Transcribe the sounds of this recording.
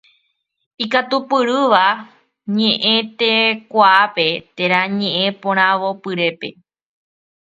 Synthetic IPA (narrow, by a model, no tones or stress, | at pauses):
ikat̪upɨɾɨʋa | ɲẽ̞ʔẽ̞t̪e̞kʷaape̞t̪e̞ɾ̃ãɲẽ̞ʔẽpõɾ̃ãʋo̞pɨɾe̞pe̞̰